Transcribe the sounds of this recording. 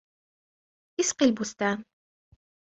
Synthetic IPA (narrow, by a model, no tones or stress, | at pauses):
ʔɪsqilbʊst̪aːn